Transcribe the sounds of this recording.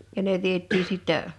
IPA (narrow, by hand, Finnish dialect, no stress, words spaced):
jɑ ne ʋietˑiː sitːæ